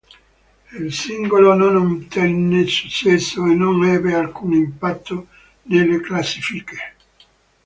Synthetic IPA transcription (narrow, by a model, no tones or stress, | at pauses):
ilsiŋɡolononant̪ɛnːesu̥t͡ʃːɛsːoenonɛːbealkuːnimpat̪ʰːo | nelːeklasifike̥